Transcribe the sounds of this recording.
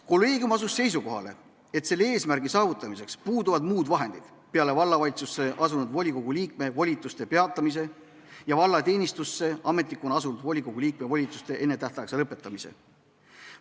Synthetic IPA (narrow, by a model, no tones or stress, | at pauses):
ko̞lːe̞ːɡiumɑs̬usːe̞js̬uko̞ɦɑ̰le̞̰ | e̞t̪se̞lːee̞ːsmæɾɡ̥isɑːvut̪ˑːɑmise̞kspuːd̪uvɑd̪muːd̪vɑɦe̞nd̪̥id̪̥ | pe̞ɑle̞vɑlːɑvɑlʲit̪susːe̞ʔɑs̬unud̪vo̞lʲiko̞ɡ̥uliːk̚me̞volʲit̪ːˑust̪e̞pe̞ɑt̪ˑːɑmis̬e̞ | jɑvɑlːɑt̪e̞ːnʲist̪usːe̞ɑme̞t̪ˑlikːˑonɑsunud̪vo̞lʲiko̞ɡ̥ulʲiːk̚me̞volʲit̪ˑust̪e̞ʔe̞nːe̞t̪æht̪ɑjkselɤpːˑe̞t̪ˑːɑmise̞̰